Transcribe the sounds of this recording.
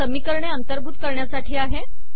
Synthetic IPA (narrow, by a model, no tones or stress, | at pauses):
əmiːkəɾɳeənt̪əɾbʱuːt̪kəɾɳjasaʈʰiːaɦe